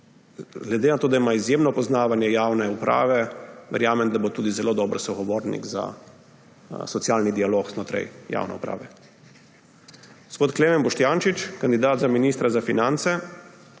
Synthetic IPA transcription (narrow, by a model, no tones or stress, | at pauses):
ɡlɛd̪eːnat̪oːd̪aimaizjemnɔpɔznaːʋanjɛjaːwnɛupɾa̰ːʋɛʋɛ̰ɾjaːmɛmd̪abot̪uːd̪izɛloːd̪ɔːbɾɔsɔɣɔʋoːɾnḭɡza̰ | sɔt̪sjaːlnid̪ialoːkznɔt̪ɾɛ̰jja̰ːwnɛ̰upɾa̰ːʋɛ̰ | ɡ̥ospoːt̪kleːmɛmbɔʃt̪janʃit͡ʃkand̪id̪aːt̪zaminist̪ɾazafinant̪sɛ